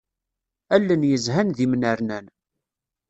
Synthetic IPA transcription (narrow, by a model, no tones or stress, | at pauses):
ælːənjəzɦænðimnəɾnæn